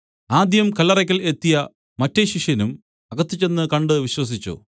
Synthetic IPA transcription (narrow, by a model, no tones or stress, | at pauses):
aːd̪jɐmkɐlːɐrɐkʲːɐlet̪ːijɐ | mɐtːeɕiʂjɐnum | ɐɣɐt̪ːit͡ɕːe̞nːɨkɐɳɖɨʋiɕwɐs̬it͡ɕːṵ